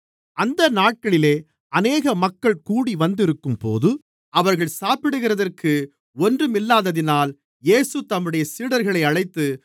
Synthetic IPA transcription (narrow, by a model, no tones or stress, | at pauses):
ɐnd̪ɐnaːʈ̚kɐɭɪleː | ɐneːɣɐmɐkːɐɭkuːɽiʋɐnd̪ɪɾɯkːɯmpo̰ːðɯ | ɐʋɐɾɣɐɭsaːpɪɽɯɣɪrɐðɐrkʰɯ | ɔndrɯmɪlːaːðɐðɪnaːl | eːsɯt̪ɐmːɯɽɐjɐsiːɽɐɾɣɐɭɐɪɐɻɐɪt̪ːɯ